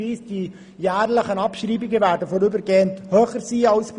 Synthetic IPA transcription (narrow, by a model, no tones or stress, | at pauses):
iːsd̥i | jæːrləχənɑpʃriːbiɡəvæːɾdəfɔɾybəɾɡeːənthøːχəɾsiːaʊsf